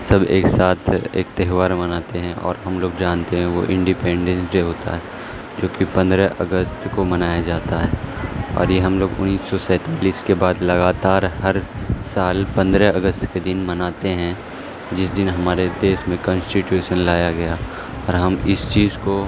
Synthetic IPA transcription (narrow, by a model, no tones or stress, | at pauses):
sɐbḛːksaːt̪ʰḛːk̚t̪ɛɦʋaːɾmɐnaːt̪eɦɛ̃ʔɔ̰ːɾɦɐmloːɡd͡ʒaːnt̪eɦɛ̃ʋo̰ʔɪ̃ɳɖɪpẽːɳɖɛ̃nsd͡ʒeɦoːt̪a̰ɦɛː | d͡ʒoːkipɐ̃nd̪ɾɛʔəɡəst̪komɐnaːjad͡ʒaːt̪aɦɛːɔ̰ːɾjeɦɐmloːɡʊ̰nːiːsːɔsɛ̃ːt̪aːliːskebaːd̪lɐɡaːt̪aːɾɦɐɾsaːlpɐ̃nd̪ɾɛɐɡəst̪ked̪ɪnmɐnaːt̪eɦɛ̃ | d͡ʒɪsd̪ɪnɦɐmaːɾed̪eːʃmẽkɔ̃ːnsʈɪʈjuːʃənlaːjaɡɐja | ɔːɾɦɐmɪst͡ʃiːzko